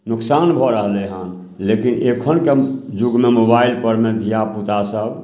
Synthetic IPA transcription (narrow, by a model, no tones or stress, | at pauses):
nuksanbʱɔɾəɦleɦãn | lekinʔekʰənked͡ʒuɡmemobailpəɾmet̪japut̪asəb